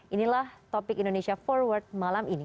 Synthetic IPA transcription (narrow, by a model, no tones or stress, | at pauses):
ʔinilaht̪opɪkindonesiafɔrwərt̪̚malamini